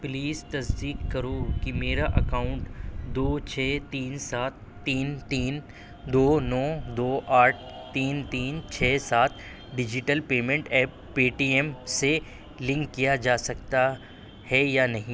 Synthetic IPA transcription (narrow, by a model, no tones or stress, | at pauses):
pliːzt̪ɐzd̪iːkːɐɾokimeːɾaʔɐkaːʊ̃ɳʈd̪oːt͡ʃʰɛːt̪iːnsaːt̪̚ʰːiːnt̪iːn | d̪oːnɔːd̪oːʔaːʈ̚ʰt̪iːnt̪iːnt͡ʃʰɛːsaːt̪̚ʰ | ɖɪd͡ʒɪʈəlpeːmẽɳʈɛːpːiːʈiːɛmse | lɪ̃ŋkːijad͡ʒaːsɐkt̪a | hɛjaːnɐɦĩ